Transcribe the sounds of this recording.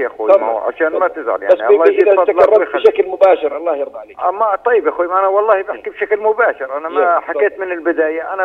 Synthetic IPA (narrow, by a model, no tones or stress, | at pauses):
ʔaxuːʕa̰ʃaːnmat̪ɪzʕa̰ljaasːiʔɑilˤːiːdfɑt̪aˤlɑrˤːɑxʃaklmʊbaːʃɪɾʔɑlˤːɑːhjɑɾˤbaʕleːʔamat̪ˤɑjːɪbʔaxuːimʔanawɑlˤːɑːhibɪħkibʃaklmʊbaːʃɪɾʔanamħaeːt̪mɪnɪlbɪd̪aːjaʔana